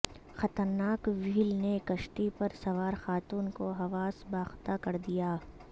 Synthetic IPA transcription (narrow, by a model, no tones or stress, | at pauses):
xɐt̪əɾnaːkʋiːlnekɐʃʈipɐɾsɐʋaːɾxaːt̪uːnkoɦɐʋaːsbaːxt̪akɐɾd̪ijaː